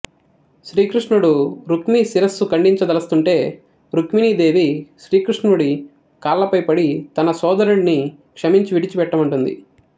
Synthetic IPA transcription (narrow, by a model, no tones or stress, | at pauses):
ʃɾiːkɾiʂɳuɽuɾukmisiɾɐsːukɐɳɖiɲt͡ʃɐd̪ɐlɐst̪uɳʈe̞ː | ɾukminid̪e̞ːʋiʃɾiːkɾuʂnuɽi | kaːlːɐpɐjpɐɽit̪ɐnɐsɔːd̪ɐɾuɽni | kʂɐmiɲt͡ʃiʋiɽit͡ʃipɛʈːɐmɐɳʈund̪ḭ